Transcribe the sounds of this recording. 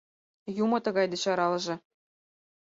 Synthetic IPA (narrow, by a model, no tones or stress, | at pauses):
jumɤ̆t̪ɤ̆ɡɑjd̪ɤ̆ɕɑɾɑlˠɤ̆ʒɤ̆